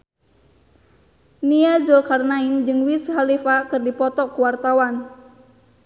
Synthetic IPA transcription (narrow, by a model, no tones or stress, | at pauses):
niazɔlkarnaind͡ʒɨŋwishalifakɨrdipɔt̪ɔkuwart̪awan